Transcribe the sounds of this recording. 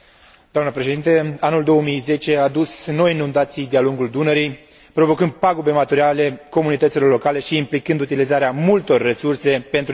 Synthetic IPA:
d̪oamnəpɾe̞ʃed̪int̪əanuld̪o̞wəmijze̞t͡ʃe̞ad̪usno̞jinũnd̪at̪sijd̪ealuŋɡuld̪unəɾij | pɾo̞vo̞kɨnd̪̚paɡobe̞mat̪uɾiale̞ko̞munit̪ət̪silo̞rlo̞kale̞ʃiːmplikɨnd̪ut̪ilizaɾeamult̪o̞rːesurse̞pe̞nt̪

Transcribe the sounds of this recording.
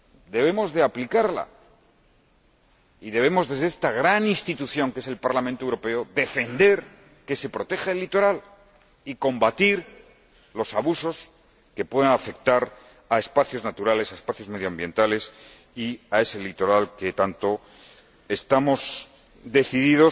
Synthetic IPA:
d̪e̞β̞e̞mo̞zðe̞aplikaɾla̰ | iðe̞β̞e̞mo̞zðe̞zðest̪aɣ̞ɾaninst̪it̪uθjo̞ŋkese̞lpaɾlamẽnt̪oewɾo̞pe̞oðe̞fe̞nd̪e̞ɾ | ke̞se̞pɾo̞t̪e̞xaelːit̪o̞ɾal | iko̞mbat̪iɾ | lo̞saβuso̞s | ke̞pwe̞ð̞enafe̞k̚t̪aɾ | aespaθjo̞znat̪uɾale̞saespaθjo̞zme̞ðjoambje̞nt̪ale̞s | iae̞se̞lit̪o̞ɾalke̞t̪ant̪o̞ | est̪amo̞s | d̪e̞θiðiðo̞s

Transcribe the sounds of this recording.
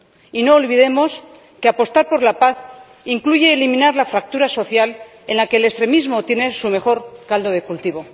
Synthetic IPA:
ino̞ːlβiðe̞mo̞s | keapo̞st̪aɾpo̞ɾlapaθ | iŋkluʝe̞ːlimĩnaɾlafɾak̚t̪uɾaso̞θjal | e̞nlakeːlest̪ɾe̞mizmo̞t̪je̞ne̞sume̞xo̞ɾkald̪o̞ðe̞kult̪iβ̞o̞

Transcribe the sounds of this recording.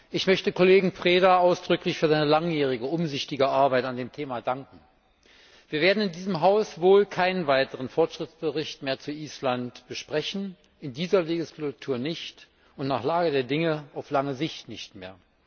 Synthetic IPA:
ʔɪçmœçtəkʰoleːɡŋ̩pʁ̥eːdaʔaʊsd̥ʁʏklɪçfyːɐzaɪnəlaŋjeːʁ̞ɪɡəʊmzʏçtɪɡəʔaɐbaɪtandeːmtʰeːmadaŋkŋ̩ | v̥iːɐveːɐdn̩ɪndiːzəmɦaʊsvoːlkʰaɪnənvaɪtəʁənfɔɐtʃʁ̥ɪtt͡sb̥əʁɪçtmeːɐt͡suʔiːslantb̥əʃpʁ̥ɛçn̩ | ɪndiːzɐleɡɪslatʰuːɐnɪçt | ʔʊntnaːχlaːɡədeːɐdɪŋəaʊflaŋəzɪçtnɪçtmeːɐ

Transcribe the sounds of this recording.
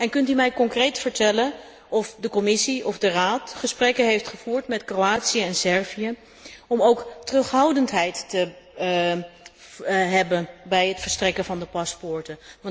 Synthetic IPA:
ɛnkɵntymɛjkɔŋkrejtfəɹtɛlən | ɔfdəkɔmɪsiʔɔfdəraːtχəsprɛkənɦejftχəv̥uːɹtmɛtkroaːtsijəɛnsɛɹviə | ɔmowktərɵχɦɑwdəntɦɛjtːə | ɦɛbənbɛjɦətfəɹstrɛkənvɑndəpɑspʊɹtə

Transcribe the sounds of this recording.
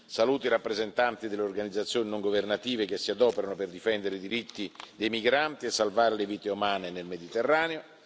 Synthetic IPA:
saluːt̪iɾapːɾezent̪ant̪id̪elːeorɡanid̪zːat̪sːjoːninoŋɡovernat̪iːvekesːiad̪ɔːpeɾanoperd̪ifɛnd̪eɾeid̪iɾit̪ːid̪ejmiɡɾant̪iesːalvaːɾeleviːt̪eumaːnenelmed̪it̪erːaːneo

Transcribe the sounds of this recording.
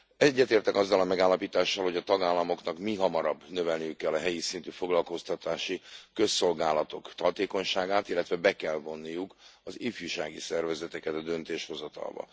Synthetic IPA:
ɛɟːɛt̪eːrt̪ɛkɒzːɒlɒmɛɡaːlːɒpiːt̪aːʃːɒlho̞ɟɒt̪ɒɡaːlːɒmo̞knɒkmiɦɒmɒɾɒbːnø̞vɛlnijykːɛlːɒɦɛjisint̪yfo̞ɡlɒlko̞st̪ɒt̪aːʃikø̞sːo̞lɡaːlɒt̪o̞kt̪hɒt̪eːko̞ɲʃaːɡaːt̪ilːɛt̪vɛbɛkɛlvo̞nːijukɒzifjuʃaːɡisɛrvɛzɛt̪ɛkɛt̪ɒd̪ø̞nt̪eːʃho̞zɒt̪ɒ̰lbɒ̰

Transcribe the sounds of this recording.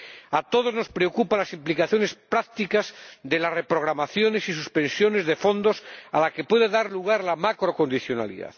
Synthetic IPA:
at̪o̞ð̞o̞zno̞spɾeokupalasimplikaθjo̞ne̞spɾak̚t̪ikazðe̞lasrepɾo̞ɣ̞ɾamaθjo̞ne̞sis̬uspẽ̞nsjo̞ne̞zðe̞fo̞nd̪o̞salake̞pwe̞ðeðaɾluɣ̞aɾlamakɾoko̞nd̪iθjona̰lḭða̰ð

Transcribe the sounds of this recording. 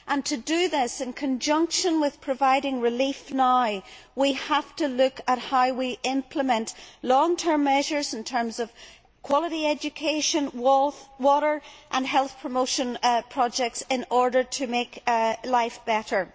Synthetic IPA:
ʔə̃ntʰɨdɨðɪsɨ̃nkʰə̃nd͡ʒʌ̃ŋkʃə̃nwɪð̥pʰɹ̥əvaɪɾɪ̃ŋɹɪlifnaɪwihaftəlʉkət̚haʊwiʔɪ̃mpʰləmɛ̃nʔlɔ̃ŋtʰɜ̃˞mːɛʒə˞zɪ̃n̩tʰɜ̃˞mzʌv̥ | kʰw̥ɔlˠəɾiɛd͡ʒɨkʰeʃə̃nwɔlˠθwɔɾə˞ʔə̃nɦɛlˠθpʰɹ̥əmoʊʃə̃npʰɹ̥ɔd͡ʒɛk̚tsɪ̃nɔɹdə˞ɾʰəmeklaɪfb̥ɛɾə˞

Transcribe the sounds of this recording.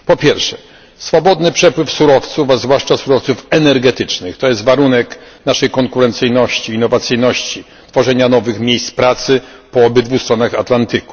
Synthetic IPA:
pɔpʲjɛɾfʂɛ̥ | sfɔbɔd̪nɘpʂɛpwɘfsuɾɔft̪sufazvwaʂt͡ʂasuɾɔft̪sufɛnɛɾɡɛt̪ɘt͡ʂnɘxt̪ɔjɛst̪vaɾunɛknaʂɛjkɔŋkuɾɛnt̪sɘjnɔɕt͡ɕiːnːɔvat̪sɘjnɔɕt͡ɕi | t̪fɔʐɛɲanɔvɘxmʲjejst̪spɾat̪sɘpɔɔbɘd̪vust̪ɾɔnaxat̪lant̪ɘku̥

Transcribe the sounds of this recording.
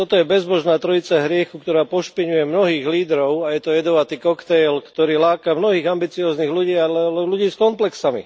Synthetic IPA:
t̪ɔt̪ɔjɛbɛzbɔʒnaːt̪ɾɔit͡saɦɾɪɛxukt̪ɔɾaːpɔʃpiɲujɛmnɔɦiːɣliːd̪ɾɔʊajɛt̪ɔjɛd̪ɔʋat̪iːkɔkt̪ɛjlkt̪ɔɾiːlaːkamnɔɦiːɣambit͡siɔːzniːɣluɟiːalɛɛluɟiːskɔmplɛksamḭ

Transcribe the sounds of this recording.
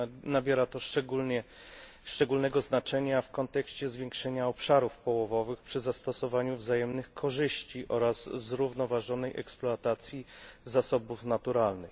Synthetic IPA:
nabʲjɛɾat̪ɔʂɛɡulɲɛ | ʂt͡ʂɛɡulnɛɡɔznat͡ʂɛɲafkɔnt̪ɛkɕt͡ɕɛzvʲjɛŋkʂɛɲaɔpʂaɾufpɔwɔvɔvɘxpʂɘzast̪ɔsɔvaɲuvzajɛmnɘxkʰɔʐɘɕt͡ɕiʔɔɾazːɾuvnɔvaʐɔnɛjʔɛ̰ksplɔat̪at̪sʲjizasɔbufnat̪uɾalnɘx

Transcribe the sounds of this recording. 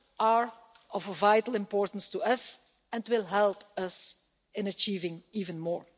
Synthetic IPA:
aɹ | ɔvəvajtəl̩ˠɪ̃mpɔːɹtən̩stuʌs | ɛ̃ntwɪlˠɦɛlˠpʌs | ɪ̃nət͡ʃiːvɪ̃ŋiːvə̃nmɔːɹ

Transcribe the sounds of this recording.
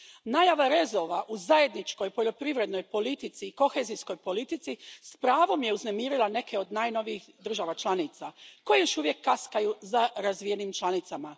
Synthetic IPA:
naːjaʋaɾe̞zo̞ʋaʔuzaje̞d̪nit͡ʃko̞jpo̞ʎo̞pɾiʋɾe̞d̪no̞jpo̞lit̪it̪siːko̞xezisko̞jpo̞lit̪it̪sispɾaːʋo̞mje̞uzne̞miːɾilˠane̞kʰe̞o̞d̪naːjno̞ʋiixd̪r̩ʒaʋat͡ʃlˠanit̪sako̞jejo̞ʃuʋje̞kːaskajuzaɾazʋijenimt͡ʃlˠanit̪sama

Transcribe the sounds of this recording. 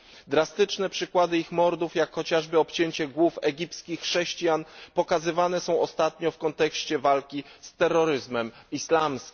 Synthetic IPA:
d̪ɾast̪ɘt͡ʂnɛpʂɘkwad̪ɘixmɔɾd̪ufjakxɔt͡ɕaʐbɘɔpt͡ɕeɲt͡ɕɛɡwufɛɡʲipskʲixːʂɛɕt͡ɕijanpɔkazɘvanɛsɔ̃w̃ɔst̪at̪ɲɔfkɔnt̪ɛkɕt͡ɕɛvalkʲist̪ɛrːɔɾɘzmɛmislamsʲ

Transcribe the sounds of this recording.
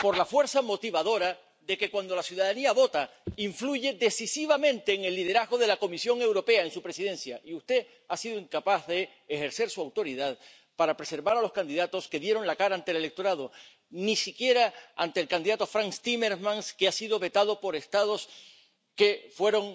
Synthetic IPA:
po̞ɾlafwe̞ɾθamo̞t̪iβaðo̞ɾa | ðe̞ke̞kwand̪o̞lasjuðaðaniaβo̞t̪aiɱfluʝe̞ðe̞sisiβamẽ̞nt̪e̞ːŋe̞lːið̞e̞ɾaɦɣo̞ðe̞lako̞misjo̞ŋe̞wɾo̞pe̞ae̞nsupɾesiðẽ̞nθjaʔiust̪e̞ | asið̞oiŋkapaθðe̞ː | xe̞ɾθe̞ɾsuawt̪o̞ɾiðað | paɾapɾe̞se̞ɾβaɾaloskand̪iðat̪o̞ske̞ðje̞ɾo̞ŋlakaɾaːnt̪ele̞le̞k̚t̪o̞ɾaðo̞ | nisikje̞ɾaant̪elkand̪iðat̪o̞fɾaŋst̪ime̞ɾmãŋskeasiðo̞βe̞t̪aðo̞po̞ɾe̞st̪aðo̞s | ke̞fwe̞ɾo̞ŋ

